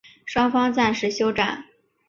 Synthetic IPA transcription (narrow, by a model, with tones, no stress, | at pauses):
ʂwɑ˥ŋfɑ˥ŋt͡sa˥˩nʂɻ̩˧˥ɕjo˥ʊʈ͡ʂa˨˩˦n